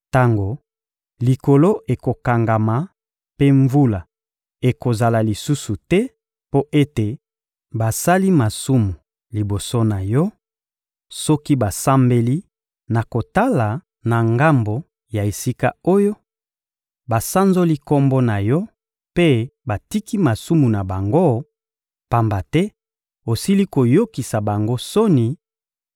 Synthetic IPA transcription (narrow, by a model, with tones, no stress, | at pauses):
ta˦ŋɡo˨ | li˨ko˨lo˦e˨ko˨ka˨ŋɡa˨ma˨ | pe˦ɱvu˦la˨ | e˨ko˨za˨la˨li˨su˦su˨tɛ˦ | po˦ʔe˦te˨ | ba˨sa˦li˦ma˨su˦mu˨ | li˨bo˨so˦na˨jɔ˦ | sɔ˦ki˦ba˨sa˦mbe˦li˦ | na˨ko˨ta˦la˨ | na˨ŋɡa˦mbo˨ | ja˨e˨si˦ka˦o˦jo˦ | ba˨sa˦nzo˦li˦kɔ˦mbɔ˦na˨jɔ˦ | pe˦ba˨ti˦ki˦ma˨su˦mu˨na˨ba˨ŋɡo˦ | pa˦mba˨tɛ˦ | o˨si˦li˦ko˨jo˦ki˨sa˨ba˨ŋɡo˦so˦ni˨